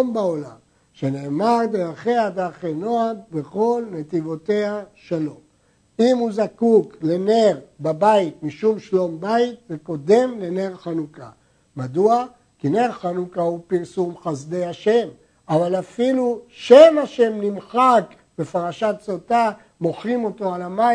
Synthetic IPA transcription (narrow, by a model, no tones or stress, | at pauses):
mbao̞lam | ʃeneːmaʁd̪eaχead̪aχeno̞ad̚beχo̞lnet̪ivo̞t̪e̞haʃalo̞m | imuzakukle̞ne̞ʁbabait̪miʃumʃlo̞mbaitveko̞d̪e̞mle̞ne̞ʁχanuka̰ | mad̪ua | kine̞ʁχanukaupiʁsumχazd̪e̞jaʃe̞m | avalafiluʃemaʃe̞mnimχak | be̞faʁaʃat̪t͡sot̪a | mo̞χʁimo̞t̪o̞alama